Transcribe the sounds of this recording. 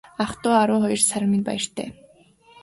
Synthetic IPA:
aχt̪ʊːaɾʊːχɔjɞ̆rsaɾʲɪ̆minpa̰jɪ̆r̥t̪ʰḛː

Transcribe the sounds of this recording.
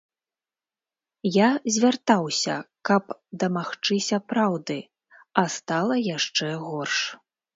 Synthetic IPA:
jazʲvʲart̪awsʲɐ̰kɐpd̪ɐmaxt͡ʂɨsʲɐpɾawd̪ɨ | ɐst̪alˠɐjaʂt͡ʂɛɣɔrʂ

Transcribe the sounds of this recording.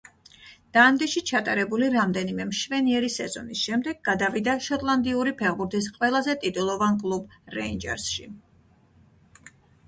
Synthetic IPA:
d̪̥and̪iʃit͡ʃʰat̪ʼaɾɛbuliɾamd̪ɛnimɛmʃvɛniɛɾisɛzɔ̰nisʃɛmd̪ɛɡ̚ːad̪avid̪aʃɔt̪ʼlˠand̪iuɾipʰɛʁbuɾt̪ʰis̬qʼwɛlˠazɛt̪ʼit̪ʼulˠɔvankʼlˠubɾɛind͡ʒɛ̰ɾsʃi

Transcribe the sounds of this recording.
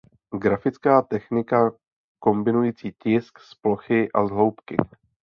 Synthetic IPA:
ɡɾafɪt͡skaːt̪ɛxnɪka | ko̞mbɪnujiːt͡siːcɪsksplo̞xɪʔazɦlo̞wpkɪ̰

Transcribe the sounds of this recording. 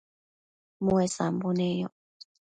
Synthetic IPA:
muesambunejo

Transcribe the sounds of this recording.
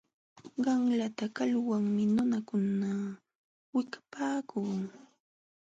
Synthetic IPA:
ɢɑŋlat̪akalwaŋmɪnʊnakʊna | wɪkḁpaːkʰuː

